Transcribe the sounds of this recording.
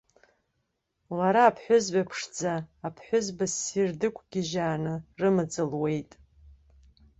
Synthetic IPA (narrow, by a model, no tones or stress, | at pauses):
laɾaːpʰħʷᶣʊzɥapʰʂd͡zaːpʰħʷʊzbasirdɨkʷʰʼɡʲɪʒaːnɨrɨmɨd͡zʼɨlwe̞jtʼ